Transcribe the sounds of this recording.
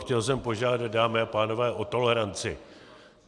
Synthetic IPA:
xcɛls̬ɛmpo̞ʒaːdat̪̚daːmɪapaːno̞vɛːʔo̞t̪o̞lɛɾant͡sɪ

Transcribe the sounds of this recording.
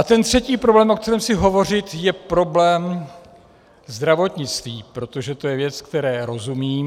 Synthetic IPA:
ʔat̪ɛnt̪r̝̥ɛciːpɾoblɛːmʔo̞k̚t̪ɛɾɛːmsɪɦo̞vo̞r̝ɪt̪jɛpɾoblɛːm | zd̪ɾavo̞t̪ɲɪt͡st̪viːpɾo̞t̪o̞ʒɛt̪o̞jɛvjɛt͡skt̪ɛɾɛːɾo̞zumiː

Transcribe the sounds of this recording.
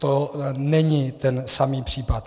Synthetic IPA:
t̪onɛɲɪt̪ɛnsamiːpr̝̥iːpat̪

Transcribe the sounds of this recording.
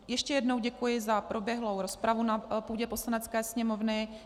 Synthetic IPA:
jɛʃcɛjɛdno̞wɟɛkujɪzapɾʔo̞bjɛɦlo̞wɾo̞spɾavunapuːɟɛposlanɛt͡skɛːsɲɛmo̞vnɪ

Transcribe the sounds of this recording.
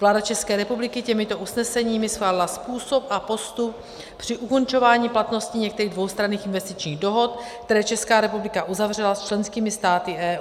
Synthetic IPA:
vlaːdat͡ʃɛskɛːɾɛpublɪkɪcɛmɪt̪o̞ʔusnɛsɛɲiːmɪsxlaːlɪlaspuːsopʔapo̞st̪up̚ | pr̥ɪʔuko̞nt͡ʃo̞vaːɲiːplat̪no̞sciɲɛkt̪ɛɾiːɣdvo̞wst̪ɾaniːxɪnvɛst̪ɪt͡ʃɲiːɣdo̞ɦo̞t̪kt̪ɛɾɛːt͡ʃɛskaːɾɛpublɪkaʔuzavrɛlast͡ʃlɛnskiːmɪst̪aːt̪ɪʔɛː

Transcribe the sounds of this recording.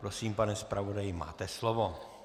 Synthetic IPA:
pɾosiːmpanɛspɾʔavodajɪma̰ːt̪ɛslovo

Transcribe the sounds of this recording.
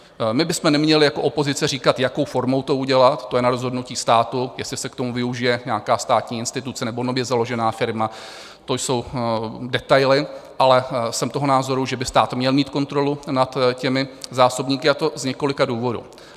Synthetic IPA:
mɪbɪsmɛnɛmɲɛlɪjako̞ʔopo̞zɪt͡sɛriːkat̪jako̞wfo̞ɾmo̞wt̪o̞uɟɛlat̪t̪ːojɛnaɾo̞zɦo̞dnuciːst̪aːt̪ujɛslɪsɛkt̪o̞muvɪuʒɪjɛɲaakaːst̪aːt̪ɲiːɪnst̪ɪt̪ut͡sɛnɛbo̞nobjɛzalo̞ʒɛnaːfɪɾma | t̪o̞jso̞wdɛt̪ajlɪʔalɛsɛmt̪o̞ɦonaːzo̞ɾuʒɛbɪst̪aːt̪mɲɛlmiːt̪ko̞nt̪ɾo̞lunat̪cɛmɪzaːsobɲiːkɪat̪o̞zɲɛko̞lɪkaduːvo̞dṵ

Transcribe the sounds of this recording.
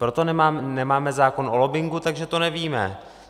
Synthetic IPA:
pɾo̞t̪o̞nɛmaːnɛmaːmɛzaːko̞nʔolobɪŋɡut̪aɡʒɛt̪o̞nɛviːmɛ̰

